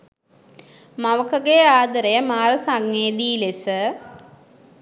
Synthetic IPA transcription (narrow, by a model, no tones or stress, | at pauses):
maʋəkəɡejaːd̪əɾejəmaːɾəsaŋːeːd̪iːlesə